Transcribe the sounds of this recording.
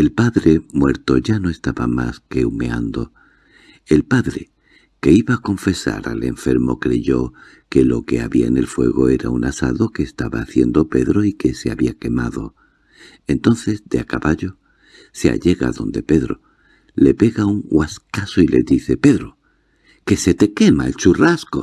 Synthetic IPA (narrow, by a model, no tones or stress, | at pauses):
e̞lpaðɾe̞mwe̞ɾt̪o̞ʝano̞e̞st̪aβama̰ske̞umea̰nd̪o̞ | e̞lpaðɾe̞ | ke̞iβaːko̞ɱfe̞sa̰ɾa̰le̞ɱfe̞ɾmo̞̰kɾe̞ʝo̞ | ke̞lo̞ke̞aβia̰ene̞lfwe̞ɣ̞o̞e̞ɾa̰unasa̰ðo̞ke̞ːst̪aβa̰ːθje̞nd̪o̞pe̞ðɾo̞ike̞se̞aβiake̞maðo̞̰ | e̞nt̪o̞nθe̞zd̪eakaβaʎo̞ | sea̰ʎe̞ɣa̰ðo̞̰nd̪e̞pe̞ðɾo̞̰ | le̞pe̞ɣauŋɡwaskasoile̞ðiθe̞pe̞ðɾo | ke̞se̞t̪e̞ke̞maelt͡ʃurasko